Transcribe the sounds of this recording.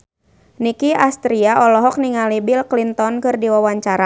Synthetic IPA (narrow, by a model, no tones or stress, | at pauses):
nikiast̪ɾiaʔɔlɔɦɔk̚niŋalibilklint̪ɔnkɨrdiwawaɲt͡ʃaɾa